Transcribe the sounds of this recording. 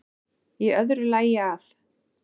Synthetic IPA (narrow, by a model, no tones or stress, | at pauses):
jɛœðɾʏlaːjaal̥